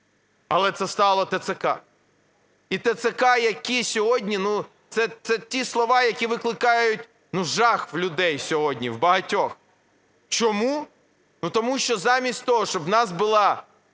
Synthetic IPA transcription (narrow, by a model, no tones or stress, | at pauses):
ɐ̰lˠɛt̪sɛst̪ɑlˠɔt̪et̪sekɑ̰ | it̪et̪sekɑjɐkʲisʲɔɦɔdʲnʲinu | t̪sɛt̪sɛtʲislˠɔʋɑjɐkʲiʋɪklˠɪkɑjʊtʲ | nuʒɑxʋlʲʊd̪ɛjsʲɔɦɔdʲnʲḭwbɐɦɐtʲɔx | t͡ʃɔmu | nut̪ɔmuʃt͡ʃɔzɑmʲisʲtʲt̪ɔɦɔʃt͡ʃɔbnɑsbʊlˠɑ